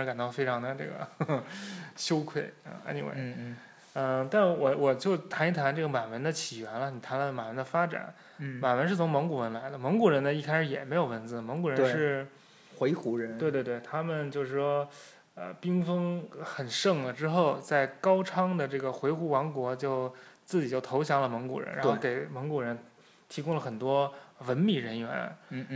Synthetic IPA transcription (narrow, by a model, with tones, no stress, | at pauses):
ʂ̩˧˥ka˨˩nt̪ɑ˥˩ʊfe˥ɪʈ͡ʂʰɑ˧˥ŋd̪ə˧ʈ͡ʂɤ̰˥˩ɡə̰˩ | ɕjo˥ʊkʰwe˥˩ɪə̰˥˧a̰˥nḭ˧˩wḛ˧˩ɪ | ə˧t̪a˥˧nʂ̩˥˩wɔ˨˩wɔ˨˩t͡ɕjo˥˩ʊt̪ʰa˧˥ni˧˥˩t̪ʰa˧˥nʈ͡ʂɤ˥˩ɡə˩ma˨˩nwə˧˥nd̪ə˧t͡ɕʰi˨˩ɥɛ˧˥nlə˧ni˨˩t̪ʰa˧˥nlma˨˩wə˧˥nd̪ə˧fa˥ʈ͡ʂa̰˨˦n | ma˨˩nwə˧˥nʂɻ̩˥˩t͡sʰʊ˧˥ŋmɤ˧˥ŋku˨˩wə˧˥nla˧˥ɪd̪ə˧mɤ˧˥ŋku˨˩ɻə˧˥nd̪ə˧i˥˩kʰa˥ɪʂɻ̩˧˩jɛ̰˨˩me˧˥ɪjo˨˩ʊwə˧˥nt͡sɹ̩˧˩mɤ˧˥ŋku˨˩ɻə˧˥˧ʂɻ̩˥˩ | xwe˧˥ɪxu˧˥ɻə˧˥tnwe˥˧ɪt̪we˥˧t̪we˥˩ɪt̪ʰa˥mə˨nt͡ɕjo˥˧ʊʂɻ̩˥˩ʂwɔ˥ | ə̰˧pi˥ŋfɤ˥ŋxə˨˩nʂɤ˥˩ŋlə˩ʈ͡ʂɻ̩˥xo˥˩ʊt͡sa˥˩ɪkɑ˥ʊʈ͡ʂʰɑ˥ŋd̪ə˨ʈ͡ʂɤ˥˩ɡə˩xwe˧˥ɪxu˧˥wɑ˧˥ŋkwɔ˧˥t͡ɕjo˥˧ʊt͡sɹ̩˥˩t͡ɕi˨˩t͡ɕjo˥˩ʊt̪ʰo˧˥ʊɕ̬jɑ˧˥ŋlə˧mɤ˧˥ŋku˨˩ɻə̰˧˥nɻa̰˧˥˧ke˨˩ɪmɤ˧˥ŋku˨˩ɻə˧˥n | t̪ʰi˧˥kʊ˥ŋlə˨xə˨˩nt̪wɔ˥wə˧˥nmi˨˩ɻə˧˥nɥɛ̰˧˥n˥˧